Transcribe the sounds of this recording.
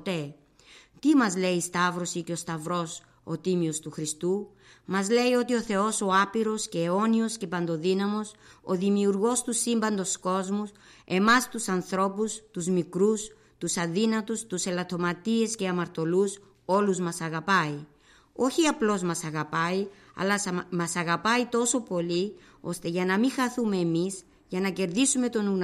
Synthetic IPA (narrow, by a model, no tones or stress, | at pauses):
t̪e̞ | t̪imɐzle̞ist̪ɐvɾo̞siceo̞st̪ɐvɾo̞s | o̞̰t̪imio̞st̪uxɾist̪u | mɐzle̞io̞t̪io̞θe̞o̞so̞ɐpiɾo̞sce̞ːo̞nio̞sce̞pɐnd̪o̞ðinɐmo̞s | o̞̰ðimiuɾɣo̞st̪usimbɐnd̪o̞sko̞zmus | e̞mɐst̪usɐnθɾo̞pust̪uzmikɾus | t̪usɐðinɐt̪ust̪use̞lɐt̪o̞mɐt̪ie̞sce̞ɐmɐɾt̪o̞lus | o̞luzmɐsɐɣɐpɐi | o̞çiɐplo̞zmɐsɐɣɐpɐi | ɐ̰lɐmɐsɐɣɐpɐit̪o̞so̞poli | o̞̰st̪e̞ʝɐnɐmixɐθume̞ːmis | ʝɐnɐce̞ɾðisume̞t̪o̞nun